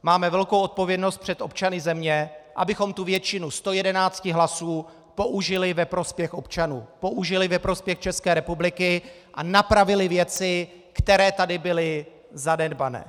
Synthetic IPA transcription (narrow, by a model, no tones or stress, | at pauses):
maːmɛvɛlko̞wʔo̞t̪̚po̞vjɛdno̞st̪̚pr̥ɛt̪ʔo̞p̚t͡ʃanɪzɛmɲɛʔa̰bɪxo̞mt̪uvjɛt͡ʃɪnust̪o̞jɛdɛnaːt͡scɪɦlasuː | po̞ʔuʒɪlɪvɛpɾo̞spjɛxʔo̞pt͡ʃanuːpo̞ʔuʒɪlɪvɛpɾo̞spjɛxt͡ʃɛskɛːɾɛpublɪkɪ | ʔanapɾavɪlɪvjɛt͡sɪ | kt̪ɛɾɛːt̪adɪbɪlɪ | zanɛdbanɛ̰ː